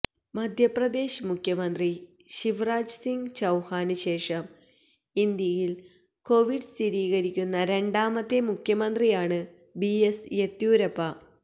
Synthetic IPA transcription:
mɐd̪ʱjɐprɐd̪e̞ːɕmukʰjɐmɐnd̪ri | ɕiʋraːd͡ʑsiŋɡt͡ɕɐwhaːnɨɕe̞ːʂɐm | ind̪jɐjil | ko̞ʋiɖst̪iɾiːɣɐɾikʲːunːɐɾe̞ɳɖaːmɐt̪ːemukʰjɐmɐnd̪rijaːɳɨ | biesjet̪juːɾɐpːɐ

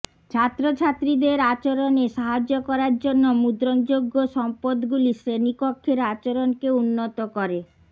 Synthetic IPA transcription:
t͡ɕʰat̪ːɾot͡ɕʰat̪ːɾid̪eɾat͡ɕoɾoneʃaɦad͡ʑokɔɾaɾd͡ʑonːomud̪ɾond͡ʑoɡːoʃɔmpod̪ɡuliʃɾenipokʰːeɾat͡ɕoɾonkeunːot̪okoɾe

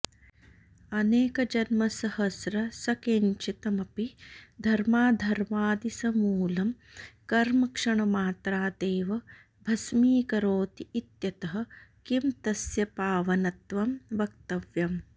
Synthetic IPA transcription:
ɐneːkɐd͡ʒɐnmɐsɐhɐsɾɐsɐkeɲt͡ʃit̪ɐmɐpid̪ʱɐɾmaːd̪ʱɐɾmaːd̪isɐmuːlɐm | kɐɾmɐkʂɐɳɐmaːt̪ɾaːd̪eːʋɐ | bʱɐsmiːkɐɾoːt̪iːt̪jɐt̪ɐɦɐ̆kimt̪ɐsjɐpaːʋɐnɐt̪ʋɐmʋɐkt̪ɐʋjɐm

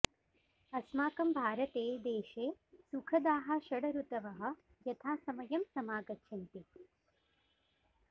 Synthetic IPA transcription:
ɐsmaːkɐmbʱaːɾɐt̪eːd̪eːʃeːsukʰɐd̪aːɦɐʃɐɽɐɾut̪ɐʋɐɦɐ̆ | jɐt̪ʰaːsɐmɐjɐmsɐmaːɡɐtːʃʰɐnt̪i

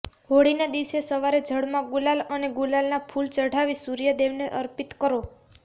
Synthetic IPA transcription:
ɦoɽinad̪iʋsesəʋaɾed͡ʒʱəɽmãɡulaləneɡulalnapʰult͡ʃəɽ̤ʱaʋisuɾjəd̪eʋneʔə̰ɾpit̪kəɾo

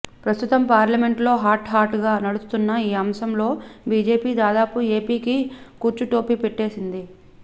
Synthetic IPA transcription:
pɾɐst̪ut̪ɐmpaːɾlɐme̞ɳʈlo̞ːɦaːɾʈɦaːɾʈɡaːnɐɽust̪unːɐiːɐmsɐmlo̞ːbiːd͡ʒe̞ːpiːd̪aːd̪aːpue̞ːpiːkikuːɾt͡ʃuʈo̞ːpipɛʈːe̞ːsind̪i

